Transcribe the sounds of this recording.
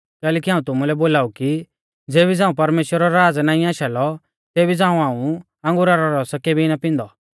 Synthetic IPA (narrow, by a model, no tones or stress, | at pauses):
kɛːlɛːkiɦaːũt̪ʊmulɛboːlaːuki | d͡zeːbid͡zãːũpɐɾmeːʃwəɾɔɾɾaːd͡znaːĩaːʃalɔ | t̪eːbid͡zãːũaːũ | ɐ̃ŋɡʊɾaɾɔɾɔskebʱiɪnapɪ̃nd̪ɔ